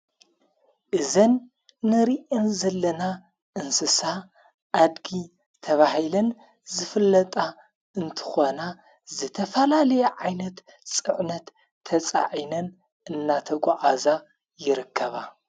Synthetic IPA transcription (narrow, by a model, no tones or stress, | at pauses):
ʔɨzɐnː | ɨɾiʔɐnzɐlːɐna | ʔɨnsɨsa | ʔad̪ɡi | t̪ʰɐβahilɐn | zɨfɨlːɐt̪ʼa | ɨnt̪ʰɨ̥xo̞na | zɨt̪ʰɐfɐlalɐjeʕajnɐt̪ | t͡sʼɨʕnɐt̪ʰː | ɐt͡sʼa̰ʕinɐn | ʔɨnːat̪ʰɐɡʷaʕaza | jɪɾɨkʰːɐβa